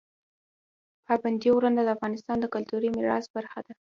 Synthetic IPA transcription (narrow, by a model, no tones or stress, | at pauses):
pɑband̪iowɾand̪ad̪əafɣɑnɪst̪ɑnd̪əkʊlt̪uɾimɪɾɑ̰sbaɾxad̪a